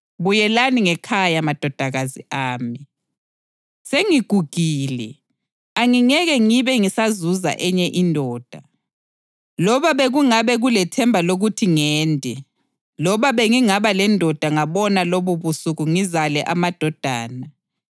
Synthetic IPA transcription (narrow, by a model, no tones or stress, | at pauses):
βujɛlaniŋɛkʰajamad̥ʱɔd̥ʱaɣazḭʔaːmi | seŋiɡ̥ʱuɡ̥ʱiːlɛ̰ | aŋiŋɛɣɛŋiβɛŋisazuza̰ʔɛɲɛʔindʱɔːd̥ʱa | lɔβaβeɣuŋaβɛɣulɛtʰɛmbʱaloɣutʰiŋɛːndʱɛ | lɔβaβeŋiŋaβalɛndʱɔd̥ʱaŋaβɔnaloβuβusuɣuŋizalɛʔamad̥ʱɔd̥ʱa̰ːna